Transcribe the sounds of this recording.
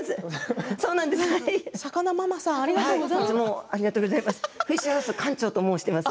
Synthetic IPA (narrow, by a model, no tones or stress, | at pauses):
sɨso̞ːnãnd̪esɨhaiɕakanamamasãaɾihaisɨmoːaɾʲiɡat̪oːɡozaimasɨ̥ɸɯiɕiasɨkʰãɲ̟t͡ɕo̞ːt̪omoːɕi̥t̪emasɨ̥